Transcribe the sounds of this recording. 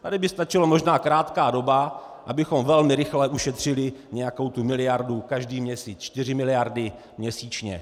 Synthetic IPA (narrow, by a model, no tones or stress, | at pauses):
t̪adɪbɪst̪at͡ʃɪlomoʒnaːkɾaːt̪kaːdo̞ba | ʔabɪxo̞mvɛlmɪɾɪxlɛʔuʃɛt̪r̝̥ɪlɪɲɛjako̞wt̪umɪlɪjaɾdukaʒdiːmɲɛsiːt͡st͡ʃt̪ɪr̝ɪmɪlɪjaɾdɪ | mɲɛsiːt͡ʃɲɛ̰